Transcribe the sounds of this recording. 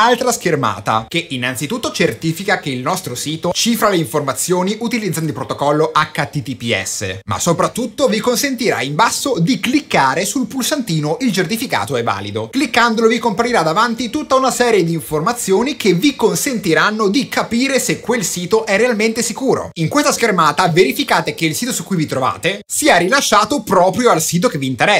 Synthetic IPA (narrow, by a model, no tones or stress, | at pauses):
alt̪ɾaskerma̰ːt̪a̰k̟einːant̪sit̪ut̪ːot͡ʃert̪iːfikakeilnɔst̪ɾosiːt̪ot͡ʃiːfɾaleiɱformat̪sːjoːniʔut̪ilid̪zand̪ipɾot̪okɔlːoʔakːat̪it̪ipiɛ̰sːḛma̰sopɾat̪ːut̪ːovikonsent̪iɾa̰imbasːod̪iklikːaːɾesulpulsant̪iːnoʔilt͡ʃert̪ifika̰ːt̪oɛvːa̰ːlid̪oklikːand̪olovikompaɾiɾad̪avant̪it̪ut̪ːaunasɛːɾjed̪iːɱformat̪sːjoːnik̟evikonsent̪iɾanːod̪ikʰapiːɾesekːwelsiːt̪oʔɛrːealment̪esikuːɾo̰iŋkwest̪askermaːt̪aveɾifikaːt̪ek̟eilsiːt̪̬osukːujvit̪ɾova̰ːt̪esiːaɾilaʃːaːt̪opɾɔːpɾjoalsiːt̪̬okevːiːnt̪eɾɛ